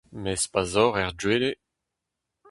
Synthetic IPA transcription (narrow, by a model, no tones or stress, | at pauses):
mɛspazɔːʁɛʁdweːle